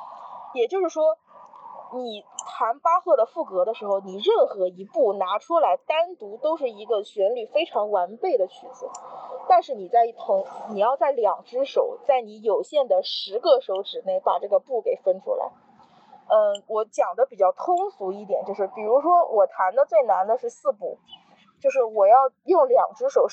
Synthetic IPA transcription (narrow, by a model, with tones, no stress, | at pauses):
jɛ˨˩t͡ɕjo˥˧ʊʂɻ̩˥˩ʂwɔ˥ | ni˨˩t̪ʰa˧˥npa˥xwɤ˥˩d̪ə˩fu˥˩kɤ˧˥d̪ə˧ʂɻ̩˧˥xo˧ʊni˨˩ɻə˥˩nxɤ˧˥i˧˥pu˥˩na˧˥ʈ͡ʂʰu˥la˧˥ɪt̪a˥nt̪u˧˥t̪o˥ʊʂ̬ɻ̩˥˩i˧˥ɡə˧ɕɥɛ˧˥nly˨˩fe˥ɪʈ͡ʂʰɑ˧˥ŋwa˧˥npe˥˩ɪd̪ə˩t͡ɕʰy˧˥t͡sɹ̩˥˩˦t̪a˥˧nʂɻ̩˥˩ni˨˩t͡sa˥˧ɪi˥˩t̪ʰʊ˧˥ŋni˨˩jɑ˥˧ʊt͡sa˥˩ɪljɑ˨˩ŋʈ͡ʂɻ̩˥ʂo˨˩ʊt͡sa˥˩ɪni˧˥jo˨˩ʊɕjɛ˥˩nd̪ə˩ʂɻ̩˧˥ɡə˧ʂo˧˥ʊʈ͡ʂɻ̩˨˩ne˥˩ɪpa̰˨˩ʈ͡ʂɤ˥˩ɡə˩pu˥˩ke˨˩ɪfə˥nʈ͡ʂʰṵ˥la̰˧˥ɪ | ə˥˧wɔ˧˥t͡ɕjɑ˨˩ŋd̪ə˦pi˨˩t͡ɕjɑ˥˩ʊt̪ʰʊ˥ŋsu˧˥i˥˩t̪̬jɛ˨˩nt͡ɕjo˥˧ʊʂɻ̩˥˩pi˨˩ɻu˧˥ʂwɔ˥wʔɔ˨˩t̪ʰa˧˥nd̪ə˧t͡swe˥˩ɪna˧˥nd̪ə˧ʂɻ̩˥˧sɹ̩˥˧pṵ˥˩ | t͡ɕjo˥˧ʊʂɻ̩˥˩wɔ˨˩jɑ˥˧ʊjʊ˥˩ŋljɑ˨˩ŋʈ͡ʂɻ̩˥ʂo˨˩ʊ